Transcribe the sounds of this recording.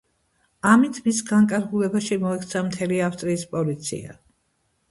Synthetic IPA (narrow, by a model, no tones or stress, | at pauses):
amit̪ʰmisɡaŋkʼaɾɡulɛbaʃimɔɛkʰt̪sʰamt̪ʰɛliafst̪ʼɾiːspʼɔlit̪sʰḭa̰